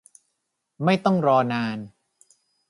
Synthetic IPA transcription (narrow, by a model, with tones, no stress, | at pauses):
ma˥˩jt̪ɔ˥˩ŋɾɔː˧naː˧n